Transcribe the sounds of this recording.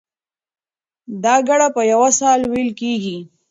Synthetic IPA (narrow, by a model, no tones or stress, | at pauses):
d̪ɑːɡaɽapəjawasaːlwilkiɡi